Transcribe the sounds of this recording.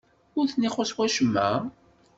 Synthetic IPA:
ʊɾθnːiχʊswæʃəmːæ̰

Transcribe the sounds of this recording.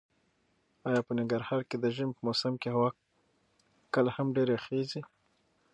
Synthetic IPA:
ɑjɑpənɪŋɡaɾhɑɾked̪əʒɪmpəmosamkehawɑ | kəlahamɖeɾexezi

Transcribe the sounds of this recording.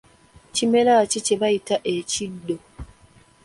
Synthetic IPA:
cimelaciceβajitaʔecidːo

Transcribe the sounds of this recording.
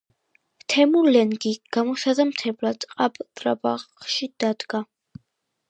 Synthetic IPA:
t̪ʰɛmulɛnɡiɡ̥amɔʃad̪amt̪ʰɛblaqʼabt̪ʼɾa̰ba̰ʁʃid̪̥ad̪ɡa

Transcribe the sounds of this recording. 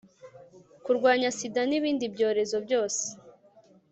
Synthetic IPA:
kuɾɡwaːɲasidaniβiːndibɟo̞ːɾe̞zo̞bɟo̞ːse̥

